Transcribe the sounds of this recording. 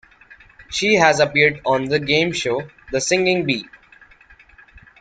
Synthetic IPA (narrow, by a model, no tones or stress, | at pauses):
ʃiːɦæzəpiɾɖɔ̃ːnd̪əɡẽːmʃoː | d̪əsɪ̃ŋɡɪ̃ŋbiː